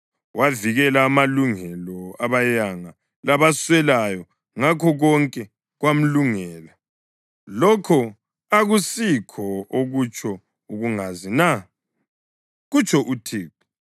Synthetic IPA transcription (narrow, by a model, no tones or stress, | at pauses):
waviɣɛlaːmaluŋɛlɔaβajaŋa | laβaswɛlajɔ | ŋakʰɔɣɔŋkʼɛ | ɣwam̩luŋɛːla | lɔkʰɔ | aɣusikʰɔoɣut͡ʃʰɔ | uɣuŋazina | ɣut͡ʃʰʼɔʔutʰiːk̚u